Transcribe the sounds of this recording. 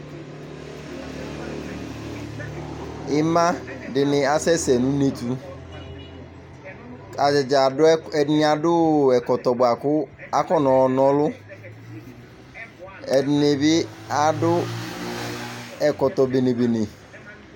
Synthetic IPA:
ɪ˦mã˦dɪ˨nɪ̃˨a˨sɛ˦sɛ˨nʊ̃˦ne˦t̪u˦ | a˨d͡ʒɪ˨d͡ʒa˨˦ɛ˨ɪ˦nɪ˦a˨dʊ˦ɛ˨kɔ˨t̪ɔ˨bʊ˨a˨kʊ˦a˦kɔ˦nɔ̃˨nɔ̃˦lʊ˦ | ɛ˨dɪ˨ne˨bɪ˦a˨dʊ˦ | ɛ˨kɔ˨t̪ɔ˨be˨ne˨be˨ne˨

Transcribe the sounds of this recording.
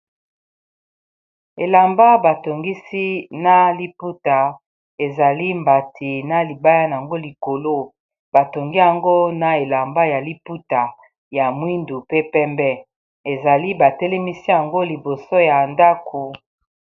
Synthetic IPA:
e˨la˨mba˦ba˨to˨ŋɡi˦si˦na˦li˦pu˦ta˨ | e˨za˨li˦mba˨tʰi˨na˨li˨ba˦ja˦na˨a˨ŋɡo˦li˨ko˨lo˦ | ba˨to˨ŋɡi˦ja˨ŋɡo˦na˨e˨la˨mba˦ja˨li˦pu˦ta˨ | ja˨mwi˦ndu˨pe˦pɛ˦mbɛ˦ | e˨za˨li˦ba˨tɛ˦lɛ˦mi˦si˦ja˨ŋɡo˦li˨bo˨so˦ja˨nda˦kʰu˨

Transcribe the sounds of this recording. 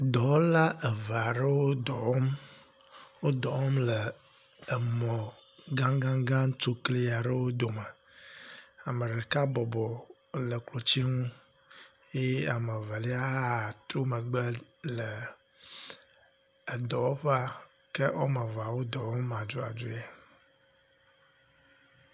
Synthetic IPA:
d̪ɔ˨wla˦ə˨va˨ɖə˦wo˦d̪ɔ˨wɔ˦m | wo˦d̪ɔ˨wɔ˦mləː˨ | mɔ̃˨ | ɡã˦ŋɡã˦ŋɡã˦ŋ˦to˦kli˦ja˨ɖɛ˦wo˦d̪o˨mə˨ | a˨mə̃˨ɖɛ˨ka˦bɔ˨bɔ˨ | lə˨klo˨t͡ɕi˦ŋũ˦ | je˦a˨mə˨vɛ˨li˦a˦ɦt̪ɾo˦mə˨ɡ͡bɛ˦lə˨ | ɛ˨d̪ɔ˨wo˦ɸa˦ | ke˦wo˦mɛ˨va˨wo˦d̪ɔ˨wɔ˦ma˨d͡ʒo˦a̰˨d͡ʒu˦je˦

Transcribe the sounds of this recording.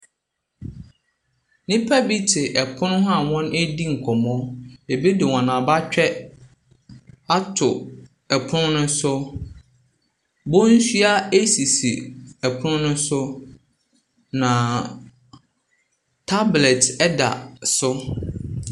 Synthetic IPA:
nɪ̃˦pʰa˦bi˦tʰɪ˨ʔɛ˨pʰʊ̃˦nʊ̃˦ɦa˦˨wɔ̃˦næ˦di˦ŋ̩˨kʰɔ˨mɔ̃˦e˨bi˦dɪ˨wɔ̃˨nã˨ba˦t͡ɕᶣɛ˦ | a˦tʰʊ˨ | ɛ˨pʰʊ˦nʊ̃˦nʊ̃˦sʊ˦ | bo˦n̩˦sɥa˦e˦si˨sḭ˨ɛ˨pʰʊ˦nʊ̃˦nʊ̃˦sʊ˦ | nã˨ | tʰa˦blɛ˨tɛ˦da̰˨sʊ˦

